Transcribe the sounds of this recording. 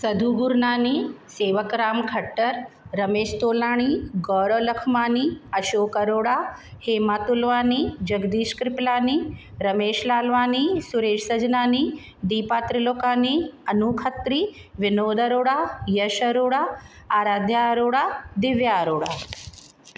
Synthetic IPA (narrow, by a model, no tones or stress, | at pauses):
sɐd̪ʱuːɡuɾnaːniːseːʋəkɾaːmkʰɐʈːɐɾɾɐmeːʃt̪oːlaːɳ̃iːɡɔːɾolɐkʰmaːniːɐʃoːkɐɾoːɽaːheːmaːt̪ulʋaːniːd͡ʒɐɡd̪iːʃkɾɪplaːni | ɾɐmeːʃlaːlʋaːniːsuɾeːʃsɐd͡ʒnaːniː | d̪iːpaːt̪ɾiloːkaːniːɐnukʰɐt̪ɾiː | ʋɪnoːd̪ɐɾoːɽajɐʃɐɾoːɽaː | aːɾaːd̪ʱjaɾoːɽad̪ɪʋjaːɾoːɽa̰ː